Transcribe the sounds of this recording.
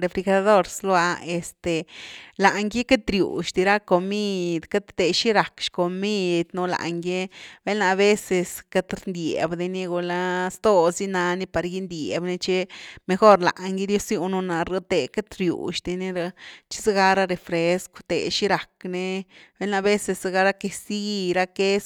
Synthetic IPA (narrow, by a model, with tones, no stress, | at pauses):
ɾe˧fɾi˧xa˧d̪o˦ɾslo˧˦a˧e˨st̪e˨la˨ʔŋɡe˦ke˦t̪ɾjṵ˨ʃt̪i˧ɾa˦ko˨mi˦˧d̪ka˦t̪ːe˧ʃi˦ɾa˨kʃko˨mi˦˧d̪nu˧la̰˨ʔŋɡje˦be˦lna˧βe˦se˧ska˧t̪ɾnd̪je˨bd̪i˧ni˦ɡu˧la˦st̪o˦˧si˦na˧ni˦pa˨ɾɡi˦nd̪je˨bne˧t͡ʃe˦me˧xo˦ɾla̰˨ʔŋɡi˦d̪jo˦sju˧nu˧na˨ɾo˦t̪e˨ke˦t̪ɾjṵ˨ʃt̪i˧ni˦ɾa˧t͡ʃi̥˦se˦ɡa˧ɾa˦ɾe˨fɾe˧skʷt̪ḛ˨ʃi˦ɾa˨kne˧be˦lna˧be˦se˧sa˧ɡa˧ɾa˦ke˧si˦˧ɾa˦ke˦s